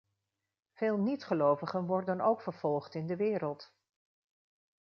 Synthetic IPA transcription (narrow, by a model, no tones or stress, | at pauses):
v̥eːlˠnitχəlowvəχənʋɔɹdənowkfəɹv̥ɔlˠχtɪndəʋɪːɾəlˠt